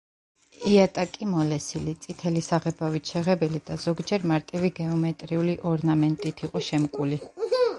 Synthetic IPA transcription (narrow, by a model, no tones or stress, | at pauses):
iat̪ʼakʼimɔlɛsilit̪sʼit̪ʰɛlisaʁɛbavit̪ʰʃɛʁɛbɛlid̪̥azɔɡd͡ʒɛɾmaɾt̪ʼiviɡɛɔmɛt̪ʼɾiuliʔɔɾnamɛnt̪ʼit̪ʰiqʼɔʃɛmkʼuli